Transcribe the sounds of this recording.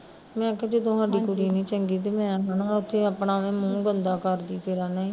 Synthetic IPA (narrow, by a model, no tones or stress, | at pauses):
mɛ̃ːkːd͡ʒeːt̪̬ʊɦãːɖiːkʊɽiːnĩːt͡ʃəŋɡiːt̪̬eːmɛ̃ːɦənaʊt̪ʰːeːapɳaːʋẽːmũːɡənd̪aːkəɾd̪iːpeɾaːneĩː